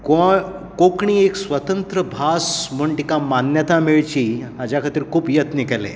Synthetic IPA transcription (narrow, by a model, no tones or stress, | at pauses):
ko | kokɳ̃iːeksʋət̪ənt̪ɾəbʱasm̤əɳʈikamanjət̪amiɭt͡ɕiːad͡ʑakʰat̪iːɾkʰuːpjət̪nikɛle